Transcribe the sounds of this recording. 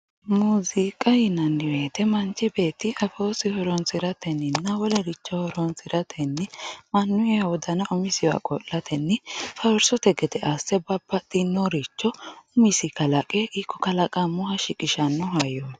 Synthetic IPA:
muːzikʼɐjɪnɐnːɪweːt̪ɛmɐnt͡ʃːɪbe̞ːt̪ːɪʔɐfoːsɪhɔɾɔnsɪɾɐt̪ɛnːɪnːɐwɔlɛɾɪt͡ʃːɔhɔɾɔnsɪɾɐt̪ʰɛnːɪmɐnːʊjɐwɔd̪ɐnɐʔʊmɪsɪjwa̰kʼɔ̰lːɐt̪ʰɛnːɪfɐwɾsɔt̪ɛɡɛt̪ɛʔasɛbɐbːɐt̪ʼːɪnːɔɾit͡ʃːɔʊmɪsɪkɐlɐkʼɛʔikʰːɔkɐlɐkʼɐmʊhɐʃɪkʼɪʃɐnːɔɦɐjo

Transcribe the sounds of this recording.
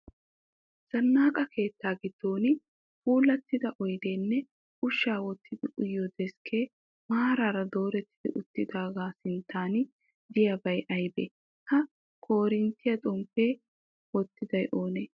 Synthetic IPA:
z̥ɐnːaːkʼɐkʰe̞ːt̪ːaːɡɪd̪̥ːoːnɪ | fuːlːɐt̪ːɪd̪ɐʔɔjd̪e̞ːnːɛ | ʔʊʃːaːwɔt̪ʰːɪd̪ɪʔʊjːɔd̪ɛskʰe̞ː | maːɾaːɾɐd̪o̞ːɾɛt̪ʰːɪd̪ɪ̰ʔʊt̪ːɪd̪aːɡaːsɪnt̪ːaːn | d̪ɪjɐbɐjʔɐjbḛː | kɐ | kʰo̞ːɾɪnt̪ːɪjɐt̪ʼɔmpe̞ː | wɔt̪ːɪd̪ɐjʔo̞ːneː

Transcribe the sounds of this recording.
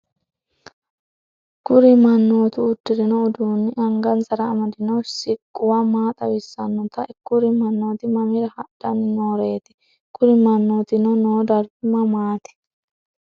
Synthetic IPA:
ɡ̥ʊɾɪmɐnːoːt̪ʊːd̪ːɪɾɪnɔːd̪uːnːɪʔɐŋɡɐnsɐɾɐːmɐd̪ɪnɐwsɪkʼːʊwamaːt̪ʼɐwɪsːɐnːɔt̪ɐkːʊɾɪmɐnːo̞ːt̪ɪmɐmɪɾɐhɐᶑɐnɪnoːɾeːt̪ɪ̥ | ɡ̥ʊɾɪmɐnːoːt̪ɪnɔnoːd̪ɐɾbɪmɐmaːt̪ɪ̥

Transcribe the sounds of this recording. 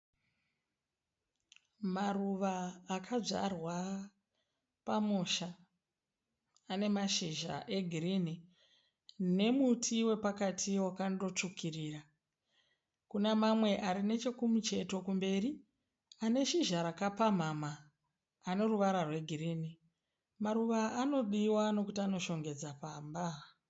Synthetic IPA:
maruʋaːkʰad͡ʐa̰rwa | pamuʃa | ne̞maʃiʒa̰ʔe̞ɡʱiriːni | ne̞mutʰiwe̞pakatʰiwakando̞t͡ʂukʰiriːra | kunamamwe̞ʔaɾine̞t͡ʃekumut͡ʃe̞to̞kumbe̞ːri | ane̞ʃiʒaɾakapam̤amaː | ne̞ruʋaɾarwe̞ɡʱirini | maɾuʋaːno̞ɗiwano̞kutiano̞ʃo̞ŋɡe̞d͡zapaːmba

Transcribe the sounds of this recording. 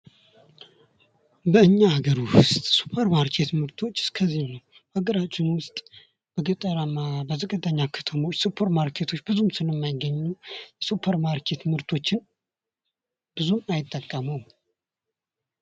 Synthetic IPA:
bəɨɲːahaɡəɾuhʊst̪ʼsu̥pʰəɾmaɾkʰe̞t̪mɨɾt̪ʰo̞t͡ʃːɨ̥skʰəzːinəw | haɡəɾat͡ʃːɪnwʊst̪ʼ | b̥əɡət̪ʼəɾamabəzəkʼəd̪aɲːakʰə̥t̪ʰəmo̞t͡ʃːsupʰəɾmaɾkʰe̞t̪ʰo̞t͡ʃːbɨzumsɨləmːajɪɡːəɲːujɛsupʰəɾmaɾkʰe̞t̪mɨɾt̪ʰo̞t͡ʃːɪn | b̥ɨzumajɪt̪ʼːəkʼːəməw

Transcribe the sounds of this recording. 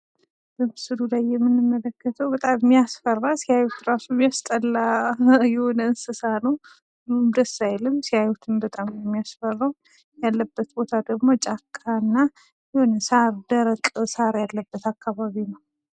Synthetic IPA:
b̥əmɨsɨlulajːɛmːɨnːɨmːələkːət̪ʰəwbət̪ʼamːijasfərːasihajut̪ɾasuβijast̪ʼəlːajɛhonənsɨsanəw | dumd̪əsːajlɨmsihajut̪ʰɨnbət̪ʼamjɛmːijasfərːaw | jalːəbːət̪̚bo̞t̪ʰad̪əɡmo̞t͡ʃʼakʰʼːanːa | jɛhonənsaɾd̪əɾəkʼsaɾjalːəbːət̪akːaβaβinəw

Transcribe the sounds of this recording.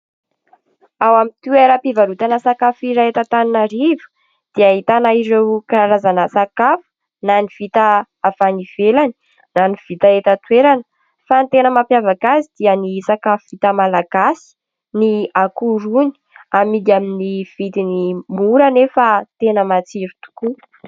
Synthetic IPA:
awamit̪ueɾəpivaɾut̪anasakafiɾaet̪at̪aninaɾivu̥ | d̪̥iait̪anaiɾewkaɾazanəsakafu̥ | naniv̥it̪ə | avaniv̥elani̥ | naniv̥it̪aet̪ət̪weɾanə̥ | fant̪enəmapjavakazid̪̥iənisakafuvit̪əmalaɡ̥asi̥ | niakuɾuni̥ | amid̪iaminiv̥it̪inimuɾanefat̪enəmat͡siɾit̪u̥ku

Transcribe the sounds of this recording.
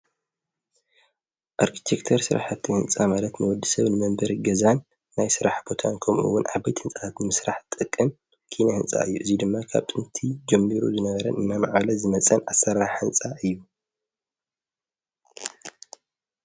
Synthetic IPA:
ʔaɾkʰi̥t̪ʰekt̪ʰɐɾsɨɾa̰ħat̪ʰːihɨnt͡sʼamalɐt̪nɨwɔd̪ːɨ̥sɐβnɨmɐmbɐɾiɡɐzanː | ajsɨɾaħbo̞t̪ʰankʰɐmɨ̰wːʊnʕaβajt̪hɨnt͡sʼat̪ʰat̪nɨmɨsɾaħt̪ʼɨkʼːɨm | kʰinjahɨnt͡sʼa̰ʔɨjːuʔɨzid̪ɨmːakʰa̰βt̪ʼɨnt̪ʰid͡ʒɛmːiɾuzɨnɐβɐɾɐ̰nʔɨnːamaʕlɐzɨmɐt͡sʼɐnʔasːɐɾaħɨnt͡sʼaʔɨjːu

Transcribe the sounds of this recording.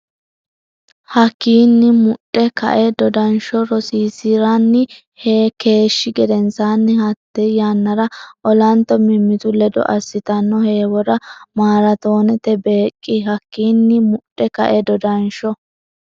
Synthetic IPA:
hɐkːiːnːɪmʊɗʼːɛkɐ̰ʔɛd̪ɔd̪ɐnʃɔɾɔsiːsɪɾanːɪ | heːke̞ːʃːɪɡɛd̪ɛnsaːnːɪhɐt̪ːɛjaːnːɐɾɐʔɔlɐnt̪ːɔmɪmːɪt̪ʊlɛd̪ɔ̰ʔɐsːɪt̪ɐnːɔhe̞ːwɔɾɐmaːɾɐt̪o̞ːnɛt̪ːɛbe̞ːkʼːɪɦɐkːiːnːɪmʊɗʼːɛkɐ̰ʔɛd̪ɔd̪ɐnʃɔ

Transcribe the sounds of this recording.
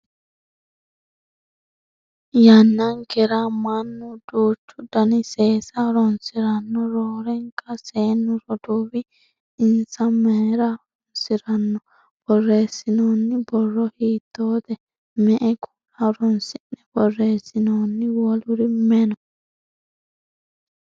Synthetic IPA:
janːɐŋkɛɾamɐnːʊd̪uːt͡ʃːʊd̪ɐnɪseːsɐɾɔnsɪɾɐnːɔɾoːɾɛŋkɐseːnːʊɾɔd̪uːbɪ | ɪnsɐmɛːɾaɾɔnsɪɾɐnːɔ | b̥ɔrːeːsɪnoːnːɪbɔrːɔhiːt̪ːoːd̪ɛ | mɛʔɛkʰu̥laɾɔnsɪnːɛb̥ɔrːeːsːɪnoːnːɪwɔlʊɾɪmɛnɔ

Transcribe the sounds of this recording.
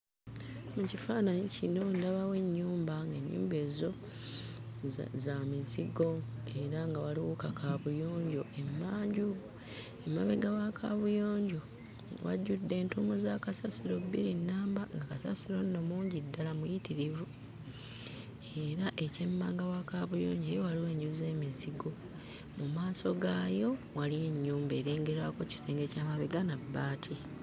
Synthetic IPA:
mucifaːnaɲicino̞ndaβawe̞ɲːuːmbaŋɡe̞ɲːṵːmbe̞ːzo̞ | zamiziɡo̞e̞ɾaŋɡawaliwukakʰaβujo̞ːɲɟoʔe̞mːaːɲɟu | emːaβeɡawakʰaβujoːɲɟo | wʔa̰ɟudːe̞ːntumuzakasasiɾo̞bːiɾinːaːmbaŋɡakasasiɾo̞nːomuːɲɟidːalamujitiɾivu | e̞ɾaʔe̞ce̞mːaːŋɡawakaβujo̰ːɲɟeːjo̞waliwe̞ːɲɟuze̞ːmiziɡo̞ | mumaːso̞ɡaːjo̞walieɲːuːmbe̞ːɾe̞ːŋɡe̞ɾako̞ci̥seːŋɡe̞caːmaβeɡanabːaːtʰi

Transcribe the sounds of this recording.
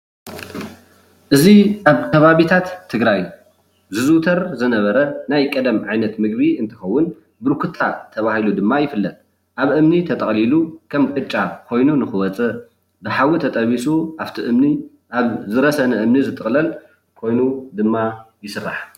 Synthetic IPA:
ʔɨziʔaβk̪ʰɐβaβit̪ʰat̪ʰːɨɡɾaj | zɨzut̪ʰɐɾzɨnɐβɐɾɐnajkʼɐd̪ɐmʕajnɐt̪mɨɡbiɨnt̪ʰɨ̥xɐwːʊn | bɨɾkʰɨt̪ʰːat̪ʰɐβahilud̪ɨmːajɪfɨlːɐt̪̚ | ʔaβʔɨmnit̪ʰɐt̪ʼɐχʼlilukʰɐmkʼɨt͡ʃʼakʰo̞jnunɨxɨwɐt͡sʼɨ | bɨħawit̪ʰɐt̪ʼɐβisuʔaβt̪ʰiʔɨmni | ʔaβzɨɾɐsɐnɐʔɨmnizɨt̪ʼɨχʼlɐl | kʰo̞jnud̪ɨmːajɪsɨrːa̰ħ

